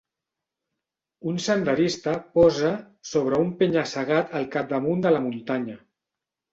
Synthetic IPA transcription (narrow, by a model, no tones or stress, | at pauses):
unsənd̪əɾist̪əpɔzə | soβ̞ɾəumpeɲəsəɣat̪əlˠkap̚d̪əmund̪ələmunt̪aɲə